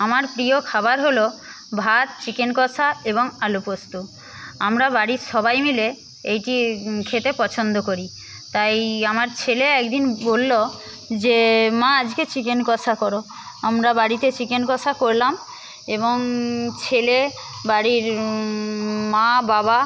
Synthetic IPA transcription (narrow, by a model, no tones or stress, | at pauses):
amaɾpɾiokʰabaɾɦolo | bʱat̪̚t͡ɕikenkɔsʰaeboŋalupost̪u | amɾabaɽiʃɔbajmile | ejʈikʰet̪epɔt͡ɕʰond̪okoɾi | t̪ajamaɾt͡ɕʰeleɛkd̪inbolːo | d͡ʑemãad͡ʑket͡ɕikenkɔsʰakɔɾo | amɾabaɽit̪et͡ɕikenkɔsʰakoɾlam | eboŋt͡ɕʰele | baɽiɾ | mababa